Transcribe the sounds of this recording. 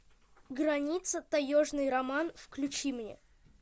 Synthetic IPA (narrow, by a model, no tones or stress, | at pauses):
ɡɾɐnʲit̪sət̪ɐjoʐnɨjɾɐmanfklʲʉt͡ɕimnʲḛ